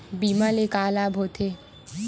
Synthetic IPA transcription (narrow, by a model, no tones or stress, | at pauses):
bimalekalabʱot̪ʰe